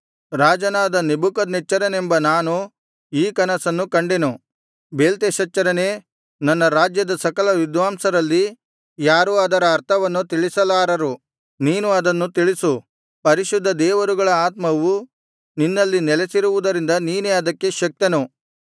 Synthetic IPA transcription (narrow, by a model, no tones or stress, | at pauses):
ɾaːd͡ʒɐnaːd̪ɐnebukɐd̪net͡ʃːɐɾɐnembɐnaːnu | iːkɐnɐsɐnːukɐɳɖenu | beːlt̪eʃɐt͡ʃːɐɾɐne̞ː | nɐnːɐɾaːd͡ʒjɐd̪ɐsɐkɐlɐʋid̪ʋaːmsɐɾɐlːi | jaːɾuɐd̪ɐɾɐːɾt̪ʰɐʋɐnːut̪iɭisɐlaːɾɐɾu | niːnuɐd̪ɐnːut̪iɭisu | pɐɾiʃud̪ʱːɐd̪ɛːʋɐɾuɡɐɭɐaːt̪mɐʋu | ninːɐlːinɛlesiɾuʋud̪ɐɾind̪ɐniːneːɐd̪ɐkːe̞ʃɐk̚t̪enu